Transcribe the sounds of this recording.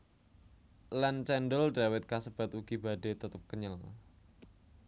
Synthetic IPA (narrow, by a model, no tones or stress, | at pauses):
lant͡ʃɛndəlɖawɪt̪̚kasəb̥at̪uɡibaɖet̪ət̪əp̚kəɲəl